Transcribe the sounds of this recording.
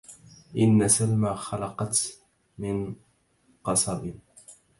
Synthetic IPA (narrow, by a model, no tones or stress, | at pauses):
ʔɪnːasalmaxalɑqɑt̪ | mɪn | qɑsˤɑɾɪn